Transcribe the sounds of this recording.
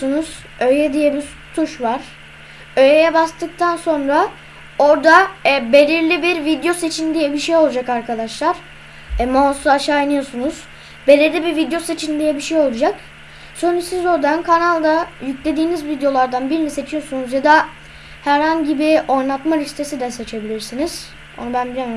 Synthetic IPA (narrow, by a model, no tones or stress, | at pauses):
unuz̥ | ø̞jɛd̪ijɛbiɾ | sʰuʃvaɾ̥ | ø̞jejɛbast̪ʰɯk̚t̪ʰanso̞nɾa | o̞ɾd̪aɛbe̞lʲiɾlʲibiɾvid̪jo̞se̞t͡ʃʰind̪ijɛbiʃejolˠad͡ʒakaɾkʰad̪aʃlˠaɾ̥ | ɛmosˠaaʃaːinɯjo̞sunuz̥ | be̞lʲiɾlʲibiɾvid̪jo̞se̞t͡ʃʰind̪ijɛbiʃejo̞lˠud͡ʒak | sonisizo̞ɾd̪ankʰanalˠd̪ajyclʲe̞d̪iːnizvid̪ejo̞lˠaɾd̪anbiɾmise̞t͡ʃʰijo̞sunuzjad̪a | hæɾhaɲɟibio̞jnˠat̪maɾist̪ʰe̞sid̪ɛse̞t͡ʃʰe̞bilʲiɾsiniz̥ | o̞̰nubænbilʲemi